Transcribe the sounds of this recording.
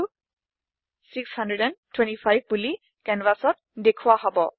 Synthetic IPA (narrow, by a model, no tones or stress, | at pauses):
sikshandɹɛdɛntʰwɛ̃ntipʰajb̚buli | kɛnvasɔt̚dekʰuwaɦɔbɔ